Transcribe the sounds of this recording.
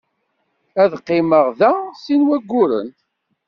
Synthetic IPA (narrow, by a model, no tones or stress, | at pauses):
æðqːɪməʁðæsinwæɡʷːʊɾə̰nt̪